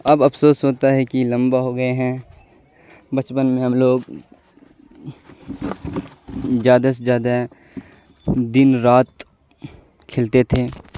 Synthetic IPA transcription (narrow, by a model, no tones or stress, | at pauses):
ɐbɐpʰsoːsɦoːt̪aɦɛkilɐ̃mbaɦoɡɐeɦɛ̃ː | bɐt͡ʃpənmẽɦɐmloːɡ | zjaːd̪asezjaːd̪a | d̪ɪnɾaːt̪ | kʰɪlt̪et̪ʰeː